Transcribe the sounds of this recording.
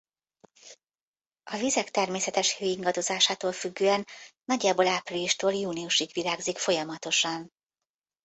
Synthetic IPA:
ɒvizɛkt̪ɛrmeːsɛt̪ɛʃhøːiŋɡɒd̪o̞zaːʃaːt̪oːlfyɡːøːɛnː | ɒɟːaːboːlaːpriliʃt̪oːljuːniuʃiɡʋilaːɡzikfo̞jɒmɒt̪o̞ʃɒn

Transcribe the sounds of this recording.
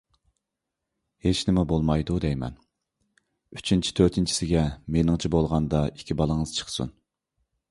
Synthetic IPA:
het͡ʃnɪmɛbolˠmɑjd̪ud̪ɛjmɛ̰n | yt͡ʃʰint͡ʃʰi̥t̪ʰøɾt̪ʰɪnt͡ʃʰi̥sɪɡʲɛmenɪŋt͡ʃʰibolˠʁɑnd̪ɑikʲʰibɑlˠəŋəz̥t͡ʃʰə̥qsṵn

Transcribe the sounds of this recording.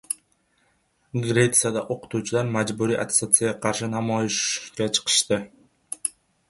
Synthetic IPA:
ɡrʲet̪sɨjad̪ɑʔoqu̥t̪uːt͡ʃulˠɑɾmɑd͡ʒbuɾiʔat̪e̥sat̪sɨjaɑqʰɑɾʃɯnɑmojʃkɑt͡ʃʰɯ̥qʰɯ̥ʃt̪ɯ

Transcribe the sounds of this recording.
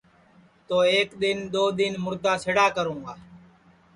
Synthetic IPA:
t̪oːeːkd̪ɪnd̪oːd̪ɪnmʊɾd̪aːsɪɽaːkəɾũːɡaː

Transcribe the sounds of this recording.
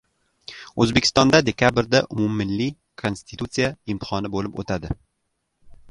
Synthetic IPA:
ɵzbekʲʰɪst̪ɒnd̪ad̪e̞kʰʲabɪɾd̪aʔʊmumːɪlːi | kʰo̞nst̪ʰi̥t̪ut̪sijaɪmt̪ʰɪ̥χɒnɪbolɪpo̰t̪ʰad̪ɪ

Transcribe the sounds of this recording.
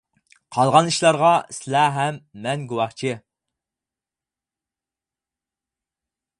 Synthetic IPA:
qʰɑlˠʁɑniʃlˠɑɾʁɑsɪlæɦɛmːɛnɡuwɑχt͡ʃʰɪ

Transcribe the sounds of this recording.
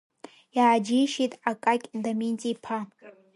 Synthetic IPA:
jaːd͡ʒijʃitʼakʼakʲʼdamint͡sʼipʰa

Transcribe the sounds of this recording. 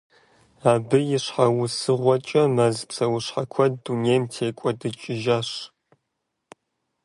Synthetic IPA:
aːbɨjɪɕħawʊsɨʁʷɔt͡ʃʼɐmazpsɐwʊɕħakʷʰɐdːuneːmtʰeːkʷʼɔdɨt͡ʃʼɪʒaːɕ

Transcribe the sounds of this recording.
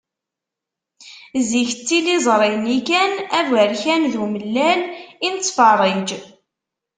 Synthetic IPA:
ziçət͡sːilizˤɾˤinikænævəɾçænðuməlːælint͡sːfɑrˤid͡ʒ

